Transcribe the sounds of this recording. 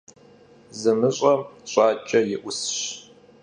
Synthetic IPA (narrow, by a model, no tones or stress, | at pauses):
zɨmɨɕʼɐɕʼɑːt͡ʃʼɐjɪʔʷʊsɕ